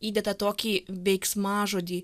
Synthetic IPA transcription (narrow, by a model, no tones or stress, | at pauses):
iːd̪ʲɛt̪ɐt̪oːkʲiːʋʲɛɪksmɑːʒoːd̪ʲiː